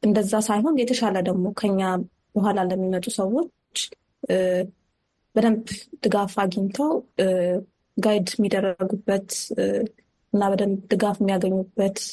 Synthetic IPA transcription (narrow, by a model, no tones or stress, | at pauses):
ʔɨnd̪əzːasajɦo̞njɛt̪ʰəʃaləd̪əɡmo̞kʰəɨɲːa | b̥əɦʷalaləmːimət̪ʼusəwo̞t͡ʃː | bəd̪əmbd̪̥ɨɡafaɡint̪ʰəw | ɡajd̪mːid̪ərːəɡubːət̪ | ɨnːabəd̪əmbd̪ɨɡafɪmːijaɡəɲːubːət̪